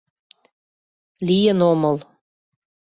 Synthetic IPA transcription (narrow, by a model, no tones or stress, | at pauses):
lijənomɤl